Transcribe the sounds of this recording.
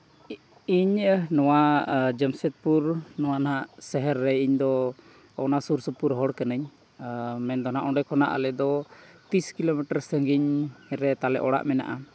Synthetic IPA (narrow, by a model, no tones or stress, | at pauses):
iɲnɔwad͡ʒəmsɛt̪̚puɾnɔwanaɦaʔsɛɦɛɾːɛiɲd̪ɔ | ɔnasuɾsəpuɾɦɔɽkanəɲ | mɛnd̪ɔnaʔɔɖɛkʰɔna̰ʔa̰lɛd̪ɔt̪iskilomɛʈəɾsəŋɡiɲɾɛt̪alɛ̰ʔɔɽa̰ʔmɛna̰ʔa